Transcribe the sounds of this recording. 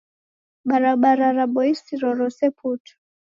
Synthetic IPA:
ɓaɾaɓaɾaɾaɓɔisiɾɔɾɔsɛpʰutʰu̥

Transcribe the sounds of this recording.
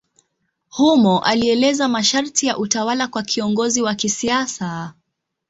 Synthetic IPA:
humɔʔaliɛlɛzamaʃaɾtijaʔutawalakwakʰiɔŋɡɔziwakisiasa

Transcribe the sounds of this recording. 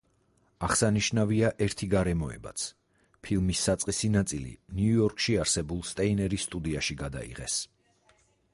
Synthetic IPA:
aχsaniʃnaviaʔɛɾt̪ʰiɡaɾɛmɔɛ̰ba̰t̪sʰ | pʰilˠmisːat̪sʼqʼisinat̪sʼilḭniuɔɾkʼʃiaɾsɛbulˠst̪ʼɛinɛɾisːt̪ʼud̪iaʃiɡad̪a̰ḭʁɛ̰s

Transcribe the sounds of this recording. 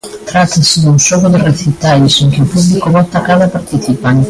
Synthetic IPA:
t̪ɾat̪ːasid̪unsɔkod̪ereθit̪alisiŋk̟eupublikoβɔt̪ːakalapaɾt̪iθipaŋ

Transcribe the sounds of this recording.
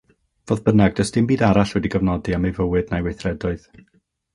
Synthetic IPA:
v̥oːðbənaɡ̚dəstɨmbiːdaɾaɬwɛdiɡəvnɔdiamejvəwɨdnajwejθrɛdɔɨð

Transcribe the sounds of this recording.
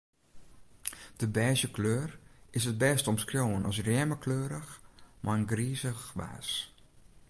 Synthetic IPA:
d̥əbɛːzjəkløːrɪsət̚bɛstɔmskroːwənɔsrjɛməkʰløːɾəxmʔaənɡriːzəxʋa̰ːs

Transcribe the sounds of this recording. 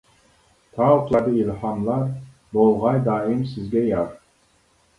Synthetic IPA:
t̪ʰɑuqlˠɑɾd̪ɨilhɑmlˠɑɾ | bolˠʁɑjd̪ɑːimsɪzɡʲɛjɑɾ

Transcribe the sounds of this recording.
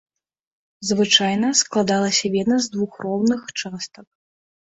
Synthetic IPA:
zvɨt͡ʂajn̪ɐsklˠad̪alˠɐsʲɐvʲɛd̪nɐzd̪vuxrɔwnɨxt͡ʂast̪ɐk̚

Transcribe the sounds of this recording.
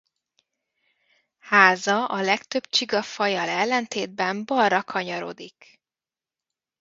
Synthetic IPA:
haːzɒʔɒlɛkt̪ø̞bt͡ʃiɡɒfɒjɒlɛlːɛnt̪eːd̪̚bɛmbɒrːɒkʰɒɲɒɾo̰d̪ik

